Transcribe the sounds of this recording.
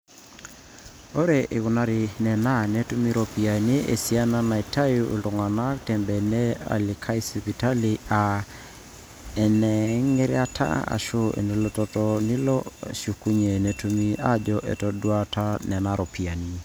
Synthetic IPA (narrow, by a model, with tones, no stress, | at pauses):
o˦ɾe˨ʔe˨ɣu˨na˦ɾi˨nɛ˨na˦nɛ˦tu˦mi˦ɾo˨pi˨a˨ni˦ʔḛ˨si˦a˦na˦na˨i˨tʰa˦ju˦ʔu˨lto˨ŋa˨na˦ktɛ˨mbɛ˨nɛ˦a̰˨li˨kʰa˦i˦sipi˨ta˦li˨a˨ | ɛ˨nɛ˨ŋe˦ɾḛa˦tʰa̰˦a̰˨ʃo˦ḛ˨ni˨˦lɔ˦tɔ˦tɔ˦ni˦lɔʃu˨ku˦ɲe˨ne˨tu˦mi˦ʔa̰˦d͡ʒɔʔḛ˨tɔ˨dwa˦ta˦nɛ˨na˨ɾo˨pi˨a˨ni˦